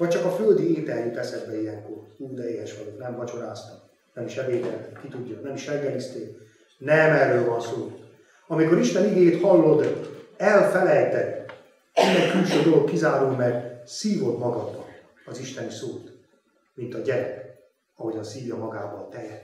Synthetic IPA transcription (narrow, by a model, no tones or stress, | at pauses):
vɒc̚t͡ʃɒkɒføld̪ieːt̪ɛɾit̪ɛsɛd̪bɛijɛŋkːoruːd̪ɛeːhɛʃʋɒɟoknɛmvɒt͡ʃo̞ɾaːst̪ɒk | nɛmiʃɛveːd̪ɛlt̪eːkkit̪uɟːɒnɛmiʃɛlɡɛnist̪eːk | nɛmɛrːøːlvɒnsoː | ɒmiko̞ɾiʃt̪ɛniɡeːjeːt̪hɒlːo̞d̪ɛlfɛlɛjt̪ɛ | inːɛŋkylʃøːd̪o̞lo̞kːizaːɾoːmɛɡsiːvo̞d̪mɒɡɒd̪ːɒ | ɒziʃt̪ɛnisoːt̪ | mint̪ɒɟɛɾɛk | ɒɦo̞ɟɒnsiːvjɒmɒɡaːvɒlt̪ɛjɛ